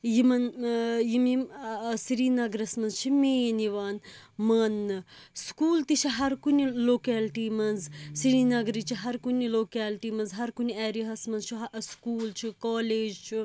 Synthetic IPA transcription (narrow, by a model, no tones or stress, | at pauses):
jimɐnjimimsiɾiːnɐɡɾɐsmɐnzt͡ʃʰimeniʋaːnmɐnːɨskuːlt̪it͡ʃʰiɦɐɾkuniloːkeːlʈiːmɐnzsiɾiːnɐɡɾit͡ʃʰiɦɐɾkuniloːkaːlʈiːmɐnzɦɐɾkuniɛːɾiɦɐsmɐnzt͡ʃʰiɦskuːlt͡ʃʰikaːleːd͡ʒt͡ʃʰi